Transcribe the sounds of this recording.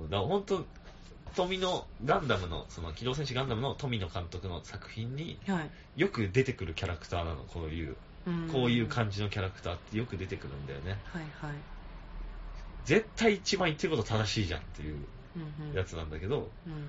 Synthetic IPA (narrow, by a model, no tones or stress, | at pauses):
ɯ̟̃ːd̪ahõ̞nt̪o̞ | t̪o̞mʲino̞ɡãnd̪amɯ̟no̰so̞no̞kʲid̪o̞ːs̬ẽ̞ɕɨɡãnd̪amɯ̟no̞t̪o̞mʲino̞kãnt̪o̞kɯ̟no̞sakɯ̟̥çĩɲ̟ːiha | jo̞kɯ̟d̪e̞t̪e̞kɯ̟ɾɯ̟kʲaɾakɯ̟̥t̪aːna̰no̞̰kʰo̞ːjɯ̟̰ː | ko̞ːjɯ̟ːkãɲ̟d͡ʑino̞kʲaɾakɯ̟̥aːt̪ːe̞jo̞kɯ̟d̪e̞t̪e̞kɯ̟ɾɯ̟̰̃nd̪a̰jo̞̰ne̞haai | d͡ze̞t̪ːaiːt͡ɕibãɰ̃it̪ːeiko̞t̪ot̪ad̪aɕiːʑã̰nt̪ːe̞jɯ̟̰ː | jat͡sɨnã̰nd̪ake̞d̪o̞